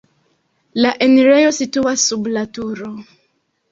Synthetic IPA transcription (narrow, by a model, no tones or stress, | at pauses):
laʔeneɾejosituasːublatuɾo